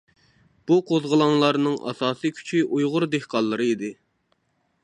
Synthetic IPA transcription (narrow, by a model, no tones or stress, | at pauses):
b̥uqʰozʁəlˠɑŋlˠɑɾnɨŋʔɑ̰sɑːsikʲʰy̥t͡ʃʰiʔujʁʊɾd̪ehqʰɑlˠːɨɾɨid̪ɪ